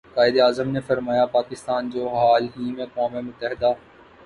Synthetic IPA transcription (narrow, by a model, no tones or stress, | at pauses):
kaːɪd̪eaːzəmnefɐɾmaːjapaːkɪst̪aːnd͡ʑoːɦaːlɦiːmẽkaːmemʊt̪ːəɦɪd̪aː